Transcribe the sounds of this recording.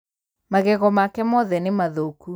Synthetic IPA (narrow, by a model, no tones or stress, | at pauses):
maɣɛɣɔmakɛmɔðɛnemaðoku